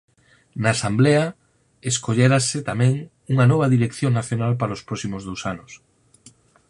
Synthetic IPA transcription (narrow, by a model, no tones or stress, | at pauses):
naːsambleɐ | eskoʎeɾasɪt̪amɛ̃ŋ | uŋɐnɔβ̞ɐðiɾekθjoŋnaθjonalpaɾaospɾɔsimozðowsanʊs